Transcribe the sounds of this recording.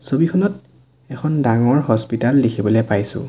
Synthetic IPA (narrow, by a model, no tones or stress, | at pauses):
sobikʰɔnɔt | ɛkʰɔndaŋɔɹɦɔspitalːikʰibɔlɛpajsʊ̰̃